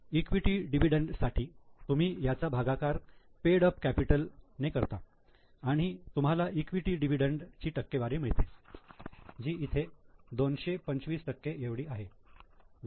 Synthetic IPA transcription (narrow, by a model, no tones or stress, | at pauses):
ikʋiʈiːɖiʋ̤iɖəɳɖsaʈʰiːt̪um̤iːjat͡sabʱaɡakaɾ | peɽəpkæpiʈəlnekəɾt̪a | aɽ̃it̪um̤alaʔikʋiʈiːɖiʋ̤iɖəɳɖt͡ɕiːʈəkːeʋaɾiːm̤əɭt̪e | d͡ʑiːit̪ʰed̪onɕepəɲt͡sʋiːsʈəkːeeʋɽiːaɦe